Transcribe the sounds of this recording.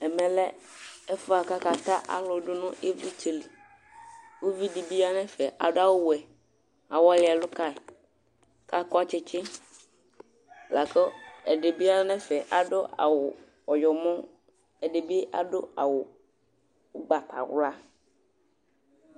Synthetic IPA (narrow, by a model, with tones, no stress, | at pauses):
ɛ˨mɛ̃˨lɛ˦ɛ˦fʊ˦a˨ka˦ka˨t̪a˦ʔa̰˦lʊ˨dʊ˦nʊ̃˦ʔe˦vɾi˦te˨li˨ | wo˦vi˦di˨bi˦a˦nɛ̃˦fɛ˨ʔa̰˨dʊ˦a˦wʊ˦wɛ˨ | a˨wɔ˦lɪ˨a˨lʊ˦ka˦˨ | ka˦kɔ˦a˦t͡ʃɪ˦t͡ʃɪ˦ | la˨kɔ˦ɛ˨ɖɪ˨bi˦a˦nɛ̃˦fɛ˨ʔa˨dʊ˦ʔa̰˨wʊ˨ | ɔ˨jɔ˨mɔ̃˦ | ɛ˨ɖe˨bi˦ʔa̰˨dʊ˦a˨wʊ˨ | ʊ˦ɡ͡ba˨ta̰˨wla˦